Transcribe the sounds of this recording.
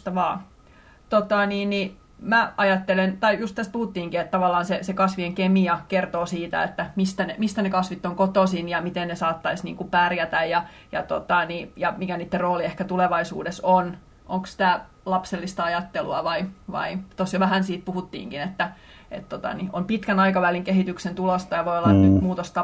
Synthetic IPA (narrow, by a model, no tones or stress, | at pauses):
t̪ɑʋɑː | t̪ot̪ɑniːnni | mæɑjɑt̪ːelent̪ɑijust̪æst̪̚puhut̪ːiːŋkiet̪t̪ɑʋɑlːɑːnsesekɑsʋieŋkemiɑkert̪oːsiːt̪æ̰ḛt̪ːæmist̪ænemist̪ænekɑsʋit̪ːoŋkot̪osinjɑmit̪ennesɑːt̪ːɑisnḭːŋkupærjæt̪æjjɑ | jɑt̪ot̪ɑnijɑmikæniːt̪ːerroːliehkæt̪uleʋɑisṵːdeson | ʔoŋkssĭ̥t̪æ | lɑpselːist̪ɑɑjɑt̪ːelṵɑʋɑiʋɑ̰it̪osjoʋæɦænsiːt̪̚puhut̪ːḭːŋkinet̪ːæ | ḛt̪t̪ːot̪ɑ̰nḭʔompit̪kænɑikɑʋæliŋkeɦit̪yksent̪ulost̪ɑjɑʋojolːɑnnymuːt̪ost̪ɑ